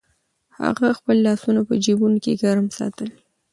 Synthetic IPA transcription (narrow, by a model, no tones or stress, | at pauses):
ha̰ɣaxpəlːɑsunapəd͡ʒibunokḛɡaɾmsɑ̰t̪əl